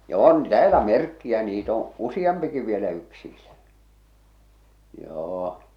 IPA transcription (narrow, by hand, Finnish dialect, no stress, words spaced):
jɑ on tæːlæ merkːiæ niːt õː usij̆ɑmpiki ʋielæ yksiːlæ joː